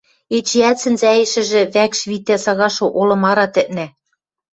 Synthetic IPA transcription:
et͡ɕeæsɘ̆nzæjĕʃɘ̆ʒɘ̆βækʃβit̪ːæsɑɣɑʃŏʔolɤ̆mɑɾɑt̪ɘ̆ʔnæ

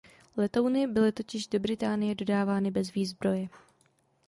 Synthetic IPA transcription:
lɛt̪ownɪbɪlɪt̪o̞cɪʒdo̞bɾɪt̪aːnɪjɛdo̞daːvaːnɪbɛzviːzbɾo̞jɛ

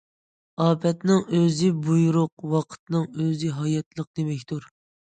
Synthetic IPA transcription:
ɑːpʰɛt̪nɨŋøzɪbujuɾʊqwɑqʰə̥t̪̚nɨŋøzɪɦɑjɑt̪lˠəq̚d̪emɛkʲt̪uɾ

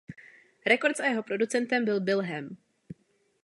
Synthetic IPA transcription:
ɾɛko̞ɾt̪t͡sʔajɛɦo̞pɾo̞dut͡sɛnt̪ɛmbɪlbɪlɦɛm

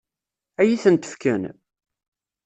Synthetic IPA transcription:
æjiθənt̪ə̥fkæn

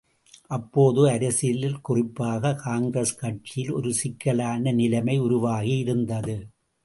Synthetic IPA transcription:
ʔɐpːoːðɯɐɾɐsɪjlɪlkʊrɪpːaːɣɐkaːŋɡɾɐskɐʈ̚t͡ʃːɪjɪlɔ̰ɾɯsɪkːɐlaːnɐnɪlɐmɐɪʊɾʊʋaːɣiɪɾɯnd̪ɐðɯ

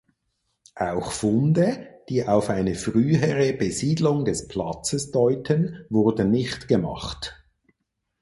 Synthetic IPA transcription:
ʔaʊxfʊndəd̥iːʔaʊfaɪnəfʁyːəʁəbəziːdlʊŋdɛspʰl̥ɑ̰t͡səsd̥ɔʏtʰənvʊʁdən̩nːɪçtɡ̥əmɑ̰χt

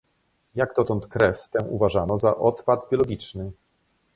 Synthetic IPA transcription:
jaɡd̪ɔt̪ɔnt̪kɾɛft̪ɛ̃ʔuvaʐanɔzaʔɔt̪pad̪bʲjɔlɔɡʲit͡ʂnɘ

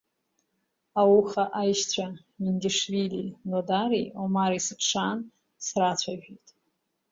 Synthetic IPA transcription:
awuχaʔajʃt͡sʷʰa | mindʲiʂvilinodaɾiomaɾisɨpʰʂan | srat͡ɕʷʰaʒᶣijtʼ

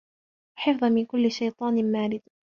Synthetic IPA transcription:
wħɪfðˤɑmɪnkʊlːɪʃajt̪ˤɑːnmaːɾɪd̪

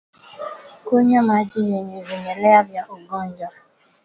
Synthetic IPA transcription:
oɲemad͡ʒiɦeɲeɾeɲeleabjaʔʊɡɔn̩d͡ʒɔ

